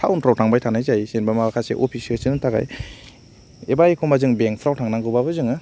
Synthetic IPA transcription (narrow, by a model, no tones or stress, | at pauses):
tʰawnpʰɾawtʰaŋbajtʰanajzajsenbamaakʰasḛʔopʰisielsinɯtʰaɡa̰j | ebajikʰomazɯŋbeŋpʰɾawtʰaŋnaŋɡɯbabɯzɯŋɯ